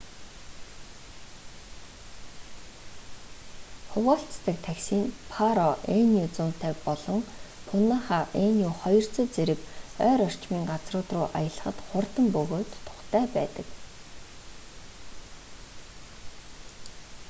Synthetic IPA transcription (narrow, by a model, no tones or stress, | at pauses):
χʊwaːɬt͡st̪ə̆k̚t̪ʰæksiːnpʰaɾɔenut͡sʊn̥t̪ʰæːkpɔɮɞ̆ŋpʰʊnaːχaːʔenjuχɔjɞ̆r̥t͡sɵ̆ːt͡seɾɘ̆kœːɾɔr̥t͡ɕmiːŋɢat͡srʊːt̪rʊːʔajə̆ɮə̆χə̆t̪χʊrt̪ə̆mpɵɣoːt̪ʰːʊ̥χt̪ʰæːpæːt̪ə̰̆k